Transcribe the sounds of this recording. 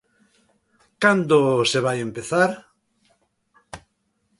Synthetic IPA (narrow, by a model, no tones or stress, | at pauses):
kand̪oseβ̞ajempeθaɾ